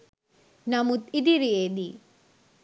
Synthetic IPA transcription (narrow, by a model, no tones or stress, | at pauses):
nɐmut̪id̪iɾijed̪i